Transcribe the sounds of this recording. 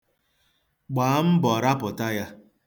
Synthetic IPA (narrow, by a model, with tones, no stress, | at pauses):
k͡paː˨a˦m̩˦bɔ˨ɾa˦pʊ˨ta˦ja˦